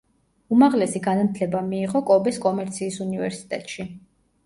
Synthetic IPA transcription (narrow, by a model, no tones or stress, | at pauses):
umaʁlɛsiɡanamt̪ʰlɛbamiːʁɔkʼɔbɛskʼɔmɛɾt̪sʰiːsunivɛ̰ɾsi̥t̪ʼɛ̰t̪ʼʃi